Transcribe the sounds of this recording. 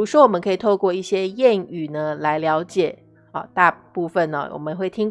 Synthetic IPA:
ɻu˧˥ʂwɔ˦˥wɔ˨˩mə˦ŋkʰɤ˧˥i˨˩t̪ʰo˥˧ʊkwɔ˥˧i˥˩ɕjɛ˥jɛ˥˩ny˨˩nə˦la˧˥ɪljɑ˧˥ʊt͡ɕjɛ˨˩˦ | ɑ˨˩t̪a˥˧pu˥˩fə˥˨nə̰˨˩wʔɔ̰˨˩mə˦xwe˥˩ɪt̪ʰi˥ŋ

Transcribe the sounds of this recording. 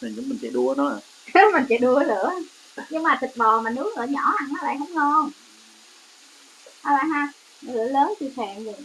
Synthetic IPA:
a˨˩ɲʊ˨˦ŋ͡mmï˨˩ŋ̟sɛ̰˧˥ɗu˧ənɔ˨˦˨ | mï˨˩ŋ̟sɛ̰˧˥ɗu˧ə˦lɨ̰˧˨ə | ɲɨ˧ŋmaː˨˩t̪ʰɨ˨˩t̚ɓɔ˨˩maː˨˩nɨ˨˦˥ək̚lɨ̰˧˨˩ɲɔ˧˩˦ha˨˩ŋnɔ˨˦la̰ː˧˨jxə˨˦wŋ͡mŋɔ˧˩n | aː˧˩la̰ː˧˨ɦaː˧˩ | nɔ˨˦lɨ̰˧˨ələː˨˦nt͡ɕi˧sɛː˧˨nzi˨˩

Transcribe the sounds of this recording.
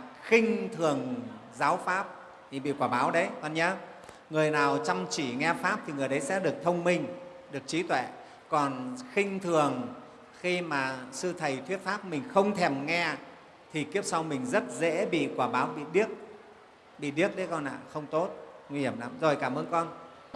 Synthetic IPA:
xï˧ŋ̟t̪ʰɨ˨˩əŋzaː˨˦wfaː˦˥p̚ | i˨˩ɓḭ˧˨kwaː˧˩ɓaː˨˦wɗə˨˦jkɔ˧˩nɲa˧ | ŋɨ˨˩əjnaː˨˩wt͡ɕa˧wmt͡ɕi˧˩ŋɛ˧faː˦˥p̚t̪ʰi˨˩ŋɨ˨˩əjɗə˨˦jsɛ̰˧˥ɗɨ˨˩ək̚t̪ʰə˧wŋ͡mmï˧ŋ̟ | ɗɨ˨˩ək̚t͡ɕi˨˦t̪wɛ̰˧˩˨ | kɔ˨˩nxï˧ŋ̟t̪ʰɨ˨˩əŋ | xi˧maː˨˩sɨ˧t̪ʰə˨˩jt̪ʰwi˦˥ət̚faː˦˥p̚mï˨˩ŋ̟xə˧wŋ͡mt̪ʰɛ˨˩mŋɛ˧ | t̪ʰi˨˩ki˦˥əp̚sa˧wmï˨˩ŋ̟zə˦˥t̚zɛ̰˧˥ɓḭ˧˨kwaː˧˩ɓaː˨˦wɓḭ˧˨ɗi˦˥ək̚ | ɓḭ˧˨ɗi˦˥ək̚ɗə˨˦jkɔ˧˩nʔa̰ː˧˨xə˧wŋ͡mt̪o˦˥t̚ŋwi˧hi˧˩əmla̰˨˧˥mzo˨˩jkaː˧˩mʔəː˧nkɔ˧n

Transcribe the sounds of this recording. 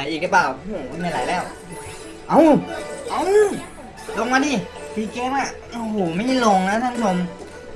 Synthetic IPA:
a˨˦jʔiː˨˩lɯ˦˥plaː˨˩wu˧˩˧na˧˩la̰˨˦jlɛː˥˩w | ʔa˧˩ʔa˧˥˩w | lo˧ŋmaː˧diː˧˩ | t̪ʰiː˧kɛː˦˥ma˧˩ʔo˧˩ɦoː˨˩ma˥˩jlo˧ŋna˦˥t̪ʰa˥˩nt̪ʰo˧m

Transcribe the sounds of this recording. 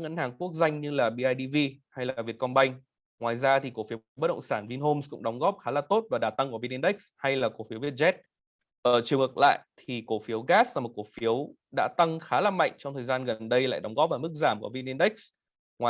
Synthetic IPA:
ŋə˧˨nhaː˨˩ŋku˦˥ək̚za˧jŋ̟ɲɨ˧laː˨˩ɓi˧ʔaː˧jɗi˧vi˧ha˧jlaː˨˩vi˨˩ət̚kɔ˧nɓa˧jŋ̟ | ŋwaː˨˩jzaː˧t̪ʰi˨˩ko˧˩fi˨˦bə˦˥ɗə̰˧˨ŋ͡msaː˧˩nvi˧nɦo˧mskʊ̰˧˥ŋ͡mɗɔ˨˦wŋ͡mɣɔ˦˥p̚xaː˨˦laː˨˩t̪o˦˥t̚vaː˨˩ɗaː˨˩t̪a˧ŋku˧˩vi˧ni˧nɗk̚sha˧jlaː˨˩ko˧˩fi˨˦wvi˦˩ət̚zɛ˦˥t̚ | ʔəː˧˩t͡ɕɨ˨˩əŋɨ˨˩k̚la̰ː˧˨jʔt̪ʰi˨˩ko˧˩fi˨˦əwɣaː˦˥sa˧˨˩m˨˩t̚ko˧˩fi˨˦əw | ɗa̰ː˧˥t̪ə˧ŋxaː˨˦laː˨˩ma̰˧˨jŋ̟t͡ɕɔ˧wŋ͡mt̪ʰəː˨˩zaː˧nɣə˨˩nɗə˧jla̰ː˧˨jɗɔ˨˦wŋ͡mɣɔ˦˥p̚vaː˨˩m˦˥k̚zaː˧˩mkṵ˧˩əvi˧ni˧nɗa˦˥k̚s | ŋwaː˨˩

